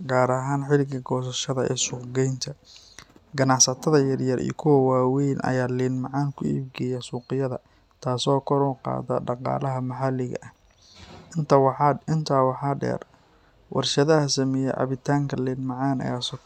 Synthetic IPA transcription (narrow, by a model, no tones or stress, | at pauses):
ɡaːɾɐɦaːnħɪlɪɡɐɡɔːs̬ɐʃɐðɐʔɛ̰ːsuːqɡɛjnt̪ʰɐ | ɡɐnɑʕsɐt̪ʰɐðɐjɐrjɐrʔḭjɔkʰʊwɐwaːwɛjnʔɐ̰jaːliːnmɑʕɑːŋkʰʊḭːb̚ɡɛjɐsuːqɪjɐðɐ | t̪ʰaːsɔːkʰɔɾɔqɑ̰ːðɐ̰ɖɑqɑ̰ːlɐɦɐmɐħɑlɪɣɐ̰ʔɐh | ɪnt̪ːɪnt̪ʰaːwɑħɑːɖɛ̰ːr | wʔɑ̰rʃɐðɐhɐsɐmɛjɛʕɑ̰βɪt̪ʰaːŋkʰɐliːnmɑʕɑːnɐ̰jaːs